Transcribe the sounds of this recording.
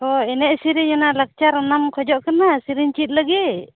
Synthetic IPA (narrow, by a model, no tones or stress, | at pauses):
hɔinɛʔsiɾiɲɔnalak̚t͡ʃaɾnamkʰɔd͡ʒɔʔkənasiɾiɲt͡ʃit̪̚ləɡi